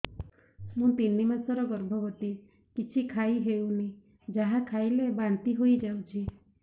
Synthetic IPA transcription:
mũt̪inːimasɔɾɔɡɔɾbʱɔbɔt̪i | kit͡ʃʰikʰaiɦewni | d͡ʒaɦakʰajlebaɳt̪iɦojd͡ʒawt͡ʃʰi

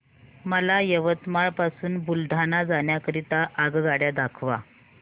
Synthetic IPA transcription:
məlajəʋət̪maɭpasuːnbuld̪ʱanad͡zaɳjakəɾit̪aʔːɡɡaɽjad̪akʰʋa̰

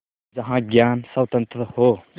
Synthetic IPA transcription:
d͡ʒʌɦãɡjansawt̪ənt̪ɾəho

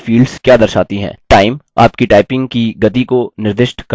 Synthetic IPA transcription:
fiːɖz̥kjaːd̪ɐɾʃaːt̪iɦɛ̰̃ːʈaːɪma̰ːpkiʈaːɪpɪ̃ŋɡkiɡɐt̪ikonɪɾd̪ɪʃʈkɐ

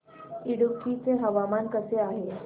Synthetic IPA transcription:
iɽukːit͡seɦəʋamankəseaɦe

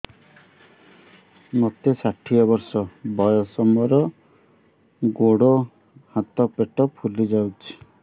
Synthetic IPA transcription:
mot̪esaʈʰijɔbɔɾsɔbɔjɔsɔmɔɾɔ | ɡoɽo | hat̪ɔpeʈɔpʰulid͡ʒawt͡ʃʰi̥

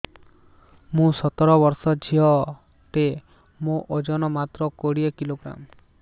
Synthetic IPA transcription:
mũsɔt̪ɔɾɔbɔɾsɔd͡ʒʰʱiɔ | ʈe | mõʔod͡ʒɔnɔmat̪ɾɔkoɽiekiloɡɾa̰m

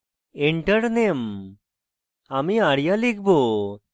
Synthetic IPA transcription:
eɳʈəɽnem | amiaɽjalikbo

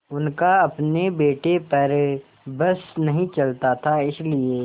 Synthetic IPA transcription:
ʊnkaɐpnebeːʈepɐɾ | bɐsnɐɦĩt͡ʃɐlt̪at̪ʰaɪslieː

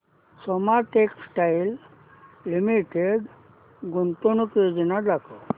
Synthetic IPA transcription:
sɔmaʈeksʈailː | imiʈeɖ | ɡunt̪unukjod͡ʑinad̪akɔ

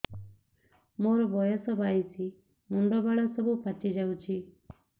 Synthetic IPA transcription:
moɾɔbɔjɔsɔbajsʰi | muɳɖɔbaɭasɔbupʰat͡ʃid͡ʒawt͡ʃʰi

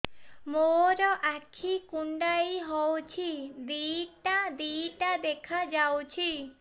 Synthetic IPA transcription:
moɾɔʔakʰikuɳɖaiɦɔwt͡ʃʰid̪iʈad̪iʈad̪ekʰad͡ʒawt͡ʃʰi

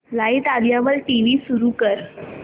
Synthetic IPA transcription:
lait̪ad̪jaʋəlʈiʋisuɾukəɾ

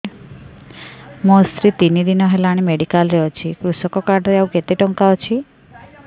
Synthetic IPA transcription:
most̪ɾit̪inid̪inɔɦelaɽ̃imeɖikalɾɛɔt͡ʃʰikɾusɔkɔkaɾɖɾiawket̪eʈɔŋkaɔt͡ʃʰi

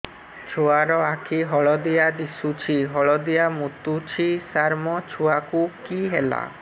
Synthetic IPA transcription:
t͡ʃʰuaɾɔakʰiɦɔɭɔd̪ijad̪isut͡ʃʰiɦɔɭɔd̪ijamut̪ut͡ʃʰisaɾmɔt͡ʃʰuakukiɦela̰

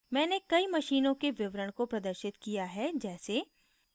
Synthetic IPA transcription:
mɛ̃ːnekɐimɐʃiːnõkeʋɪʋɾəɽ̃kopɾɐd̪əɾʃɪt̪kijaɦɛd͡ʒɛːse

